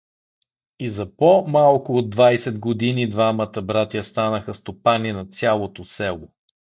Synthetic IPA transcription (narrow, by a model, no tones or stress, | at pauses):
izɐpomalˠkʊod̪ːvajsɛd̪ɡod̪inid̪vamət̪əbɾat̪jɐst̪anəxəst̪opaninɐt̪sʲalˠot̪osɛlˠo